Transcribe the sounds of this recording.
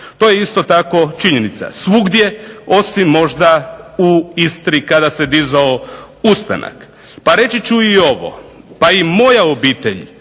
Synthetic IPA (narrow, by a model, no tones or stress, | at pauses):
t̪o̞ːje̞ist̪o̞t̪ako̞t͡ʃiɲenit̪sa̰sʋuɡd̪je̞o̞simːo̞ʒd̪auist̪ɾikad̪ased̪izao | ust̪a̰na̰k | paɾe̞t͡ʃit͡ɕuio̞ʋo̞̰paimo̞jaobiːt̪eʎ